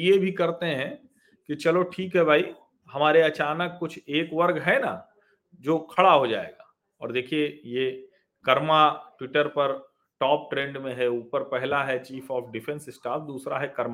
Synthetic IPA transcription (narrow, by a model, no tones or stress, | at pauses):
jebʱikɐɾt̪eɦɛ̃ | kit͡ʃɐloʈʰiːkɦɛbʱaːi | ɦɐmaːɾeɐt͡ʃaːnəkːʊt͡ʃʰeːkʋɐɾɡɦɛna̰ | d͡ʒoːkʰɐɽaɦod͡ʒa̰ːḛːɡaː | ɔ̰ːɾd̪eːkʰieje | kɐɾmaʈwɪʈəɾpɐɾ | ʈɔːp̚ʈɾẽːɳɖmẽɦɛuːpəɾpɛɦlaɦɛt͡ʃiːfɔːfʰɖɪfʰɛ̃nsɪsʈaːfʰd̪uːsɾaɦɛkɐɾma